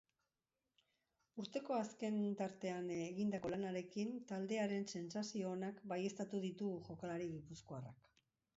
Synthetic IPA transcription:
uɾt̪e̞ko̞aske̞nt̪aɾt̪e̞anɣind̪ako̞lanaɾe̞kint̪ald̪e̞aɾe̞nse̞nsasio̞ːnakbaje̞st̪at̪uðit̪uʝo̞kalaɾiɣipuskoarak

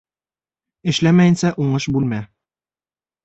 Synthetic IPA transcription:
ɘ̆ʃlæmæjɘ̆nsæʔuɴɤʃbʉlmæ

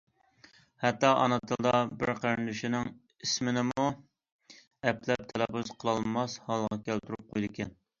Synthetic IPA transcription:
hɛt̪ːɑʔɑ̰nɨt̪ʰɨlˠd̪ɑbɪɾqʰəɾnlyʃinɪŋ | ismɪnɪmu | ɛplɛp̚t̪ʰælɛpuzqʰəlˠɑlˠmɑshɑlˠʁɑkʲʰælt̪ʰyɾup̚qojlˠɨɪkʲɛn

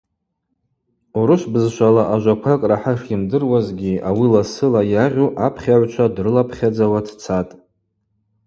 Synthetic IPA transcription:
uɾɨʃʷbɨzʃʷalaʔaʒʷakʷʰakʼraħaʃimdɨrwazɡʲiawilasɨlajaʁʲuʔapʰχʲaʕʷt͡ʃʷʰadrɨlapʰχʲad͡zawadʰt͡sʰatʼ

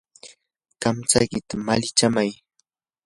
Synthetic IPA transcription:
kamt͡sa̰jkɪt̪amalɪt͡ʃamaj

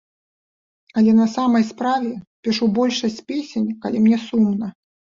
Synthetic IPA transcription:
ɐlʲɛnɐsamɐjspɾavʲɛpʲiʂubɔlʲʂɐsʲt͡sʲpʲesʲenʲkɐlʲimnʲɛsumnɐ

